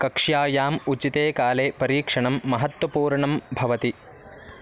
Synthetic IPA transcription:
kɐkʂjaːjaːmut͡ʃit̪eːkaːleːpɐɾiːkʂɐɳɐmːɐɦɐt̪wɐpuːɾɳɐmbʱɐʋɐt̪i

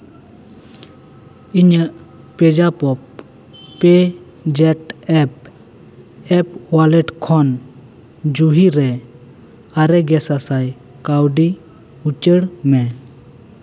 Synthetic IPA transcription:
iɲəʔ | pɛd͡ʒapɔpː | ɛ | d͡ʒɛʈɛp̚ | ɛpwalɛʈkʰɔn | d͡ʒuɦiɾɛ | aɾɛɡɛsasaj | kawɖi | ut͡ʃəɽmɛ

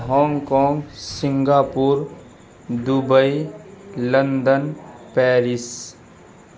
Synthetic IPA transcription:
ɦɔːŋɡkɔ̃ːŋɡsɪ̃ŋɡaːpuːɾ | d̪ʊbəi | lənd̪ənpɛːɾɪs

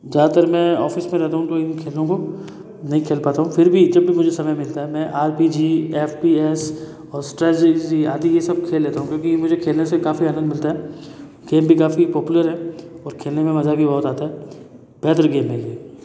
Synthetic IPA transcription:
zaːd̪at̪əɾmɛ̃ːɔːfɪsmẽɾɛɦt̪aɦũt̪oɪnkʰeːlõko | nɐɦĩkʰeːlpaːt̪aɦũfɪɾbʱid͡ʒɐbːʱimʊd͡ʒʱesɐməjmɪlt̪aɦɛmɛ̃ːʔaːɾpid͡ʒiːeːfpiɛːs | ɔːɾsʈɾɛːed͡ʒia̰ːd̪ijesɐb̚kʰeːlːeːt̪aɦũkjõːkimʊd͡ʒʱekʰeːlnesekaːfiaːnə̃nd̪mɪlt̪aɦɛː | ɡ̥eːmbʱikaːfipɔːpjuləɾɦɛɔːɾkʰeːlnemẽmɐzabʱibɔːt̪aːt̪aɦɛ | b̥ɛːt̪əɾɡeːmːẽɡeː

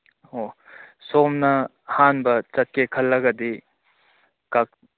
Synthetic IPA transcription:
osoːmnɐ | haːnbɐt͡ʃɐt̪̚kekʰɐlːɐɡɐd̪i | kɐk̚

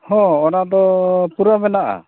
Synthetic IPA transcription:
hɔ̃ɔnad̪ɔpuɾamɛnaʔa̰

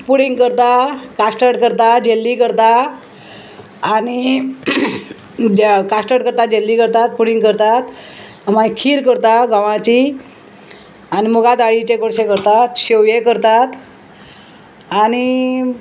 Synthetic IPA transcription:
puɽiŋɡkəɾt̪akaʂʈəɽkəɾt̪ad͡ʑelːikəɾt̪a | ñi | d͡ʑkasʈəɖkəɾt̪ad͡ʑelːikəɾt̪at̪̚puɽiŋɡkəɾt̪at̪ | mãkʰiːɾkəɾt̪aɡaʋãt͡ɕi | animuɡat̪aɭit͡ɕekoɽɕekəɾt̪at̪ɕeʋjekəɾt̪at̪ | añi

